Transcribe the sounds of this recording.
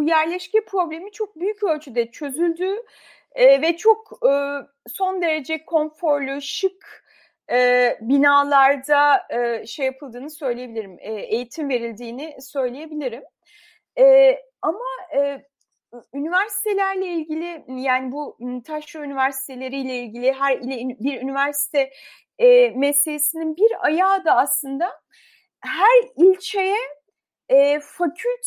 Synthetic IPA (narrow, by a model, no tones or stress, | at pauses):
jæɾlʲɛʃcɛpʰɾo̞blʲemit͡ʃʰok̚byjycølʲt͡ʃʰyd̪ɛt͡ʃʰø̞zylʲd̪y | vɛt͡ʃʰo̞kɯː | so̞nd̪e̞ɾed͡ʒɛkʰo̞nfo̞ɾlʲøʃɯk | ɛːbinaːlˠaɾd̪aɯʃejapʰɯlˠd̪ɯːnɯsø̞jlʲejebilʲiɾimɛejit̪ʰimve̞ɾilʲd̪iːnisø̞jlʲeje̞bilʲiɾim | ɛː | amaɯː | ynivæɾsi̥t̪ʰe̞lʲæɾlʲɛilʲɟilʲɪjaːnibut̪ʰaʃɾaynyvæɾsi̥t̪ʰelʲe̞ɾijlʲɛilʲɟilʲiɦæɾilʲɛbiɾynyvæɾsi̥t̪ʰɛ | mɛselʲesininbiɾajaːd̪aːslˠɯnd̪a | ɦæɾilʲt͡ʃʰejɛː | facʰylʲt̪